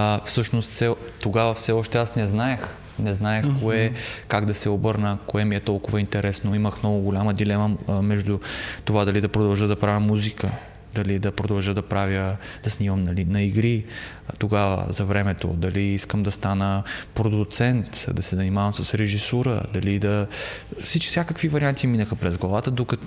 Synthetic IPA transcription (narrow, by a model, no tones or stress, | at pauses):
fsɤʃnost̪sɛt̪oɡavəfsɛɔʃt̪ɛasnɛznaɛx | nɛznaɛxkoɛkaɡd̪ɐsɛobɤɾnəkoɛmiɛt̪ɔlˠkʊvɐint̪ɛɾɛsnoiməxmnɔɡʊɡʊlʲaməd̪ilɛməmɛʒd̪ut̪ovad̪ɐlid̪ɐpɾod̪ɐlˠʒəd̪ɐpɾavjəmuzikə | d̪ɐlid̪ɐpɾod̪ɐlˠʒəd̪ɐpɾavʲjəd̪̥ɐsnimɐmnɐlinɐiɡɾi | t̪oɡavə̰zɐvɾɛmɛt̪o̰d̪ɐliiskəmd̪ɐst̪anəpɾod̪ʊt̪sɛnt̪d̪ɐsɛzɐnimavɐmsəsɾɛʒisɔɾə̰d̪ɐlid̪ɐfsit͡ʃksʲjakəkvivɐɾiant̪iminəxəpɾɛzɡlˠɐvat̪əd̪okɐt̪